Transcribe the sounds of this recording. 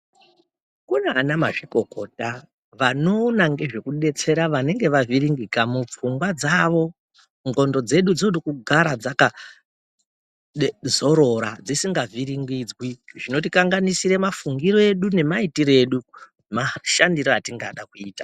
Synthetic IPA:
kuneanama̰ʐiko̞ko̞̰ta | ʋanonaŋɡe̞ʐe̞kuɗe̞t͡se̞ɾaʋane̞ŋɡe̞ʋaviɾiŋɡikamup͡fuŋɡwad͡zaʋo̞ | ŋɡo̞ndo̞d͡ze̞ɗud͡zoɗikuɡʱaɾad͡zaka | zo̞ɾo̞ɾad͡zisiŋɡavʱiɾiŋɡid͡zwiʐino̞t̬ikaŋɡanisiɾe̞mafuŋɡiɾo̞e̞ɗune̞maitiɾe̞ɗu | maʃandiɾoatiŋɡaɗakuiːtḁ

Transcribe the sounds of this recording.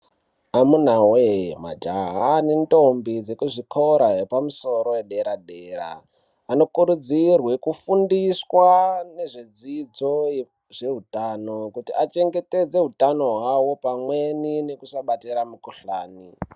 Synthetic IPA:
amunawema̰d͡ʒaɦaninto̞mbid͡zekuʐikʰoɾaɦepamuso̞ɾo̞weɗe̞ɾaɗeːra̰ː | no̞kuɾud͡zirwe̞kufundiswane̞ʐed͡zid͡zo̞ | ʐe̞ɦutanokutiat͡ʃe̞ŋɡe̞te̞d͡ze̞ɦutano̞ɦwawo̞pamwenine̞kusaɓateɾamukuɬaːni

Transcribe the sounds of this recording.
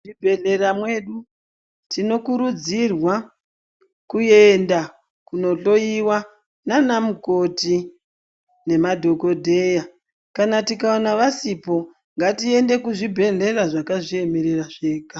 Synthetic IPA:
ibʱe̞ɮe̞ɾamwe̞ɗu | tino̞kuɾud͡zirwa | kue̞nda | kuno̞ɬo̞iwa | nanamuko̞ti | ne̞madʱo̞ko̞dʱe̞ja | kanatikaonaʋasipo̞ | ŋɡatie̞nde̞kuʐibʱe̞ɮe̞raʐakaʐie̞me̞ɾe̞raʐe̞ːka

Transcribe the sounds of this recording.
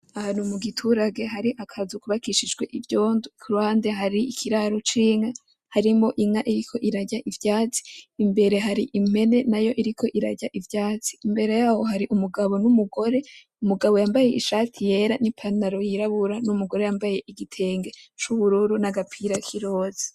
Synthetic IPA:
ahaːnhumuɡitʰuɾaɡe̞ɦaɾiʔakʰazukuβakiʃid͡ʒɡwe̞ʔivjo̞ːndukʰuɾuhaːnde̞ɦaɾiikʰiɾaɾot͡ʃiːŋa | haɾimo̞ʔiŋaʔiɾikʰo̞ʔiɾaɟaʔivjaːt͡si̥ːmbe̞ɾe̞ɦaɾiʔim̥e̞ne̞najo̞ʔiɾikʰo̞ʔiɾaɟaʔivjaːt͡si̥ːmbe̞ɾe̞jaːho̞ɦaɾiʔumuɡaβo̞numuɡo̞ɾe̞ | umuɡaβo̞jaːmbaje̞ʔiʃaːtʰije̞ːɾanipʰanaɾo̞jiɾaβuɾanumuɡo̞ɾe̞jaːmbaje̞ʔiɡitʰe̞ːŋɡe̞t͡ʃuβuɾuɾunaɡapʰiɾakʰiɾo̞ːzi̥

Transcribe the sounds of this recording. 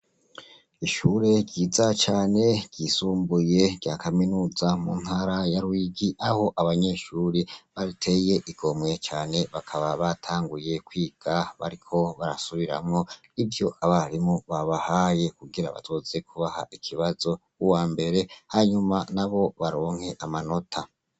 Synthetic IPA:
iʃuːɾe̞ɟɟiːzat͡ʃaːne̞ɟ̥ɟisuːmbuje̞ɟ̥ɟaːkʰaminuːzamṵːnhaɾajaɾwiːɡiʔaho̞ʔaβaɲe̞ʃuːɾiβaɾitʰe̞je̞ʔiɡ̥o̞mŋe̞t͡ʃaːne̞βakʰaβaβatʰaːŋɡuje̞kwiːɡ̥aβa̰ɾikʰo̞βaɾa̰suβiɾa̰mŋo̞ | ivjo̞ʔaβaɾimuβaβahaje̞kuɡiɾa̰βa̰tʰoːze̞kʰuβaha̰ʔikʰiβazo̞ | uwaːmbe̞ɾe̞haɲumanaβo̞βaɾo̞ːŋ̥he̞ʔamano̞tʰa

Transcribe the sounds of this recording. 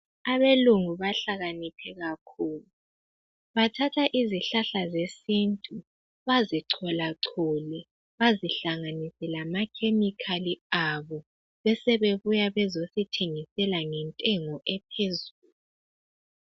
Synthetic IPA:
aβeluŋuβaɬaɣanipʰɛɣakʰuːlu | βatʰatʰaʔiziɬaɬazesintʼu | βaziǀʰɔlaǀʰɔlɛ | βaziɬaŋanisɛlamakʰemikʰaliaβɔ | βɛsɛβeβujaβɛzositʰeŋisɛlaŋɛntʼɛŋɔʔɛpʰezuːlu

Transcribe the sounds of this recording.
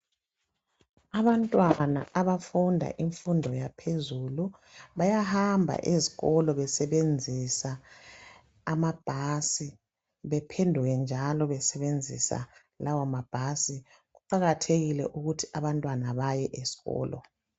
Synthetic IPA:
aβantʼwana̰ʔaβafundʱa̰ʔiɱfundʱɔjapʰezulu | βajahambʱa̰ʔeziɣɔlɔβɛsɛβend͡zʱisa | mab̥ʱasi | βɛpʰendʱuɣɛnd͡ʒʱalɔβɛsɛβend͡zʱḭsa̰ | lawamab̥ʱasi | ɣuǃaɣatʰeɣilɛ̰ʔuɣutʰi̥aβantʼwanaβajɛʔez̥i̥ɣɔ̰ːlɔ̰

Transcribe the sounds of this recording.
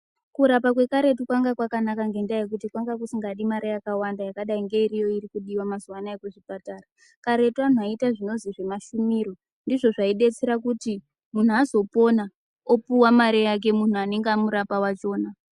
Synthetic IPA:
kuɾapakwe̞kaɾe̞tukwaŋɡakwakanakaŋɡe̞ndajek̬utikwaŋɡak̬usiŋɡaɗimaɾʔejakawandajakaɗaiŋɡe̞iɾijo̞irikuɗiwamazuwanaekuʐipataːra | kaɾe̞twan̤uaitaʐino̞ziʐe̞maʃumiɾo̞ | ndiʐo̞ʐaiɗe̞t͡seɾakuti | mun̤uazo̞po̞na | opuwamaɾejak̬e̞mun̤uane̞ŋɡeamuɾapawat͡ʃo̞ːna

